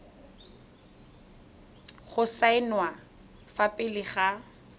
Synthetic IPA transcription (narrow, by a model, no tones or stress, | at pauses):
χʊsaɪnwa | fapʼɪlɪχa